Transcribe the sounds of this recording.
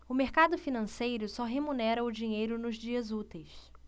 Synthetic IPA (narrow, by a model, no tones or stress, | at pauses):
ʊmeɾkad̪ʊfinɐ̃sejɾʊsɔɦemunɛɾɐʊd͡ʒiɲejɾʊnʊzd͡ʒiɐzut̪ejs